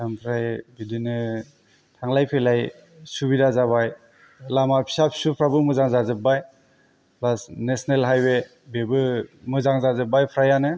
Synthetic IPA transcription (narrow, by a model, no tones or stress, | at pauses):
dampʰɾajbidinɯ | tʰaŋlajpʰelaj | subidazaβaj | lamapʰi̥sapʰi̥supʰɾabɯmɯzaŋzazɯp̚baj | plasnesnelɦajbe | bebɯmɯzaŋzazɯp̚bajpʰɾajanɯ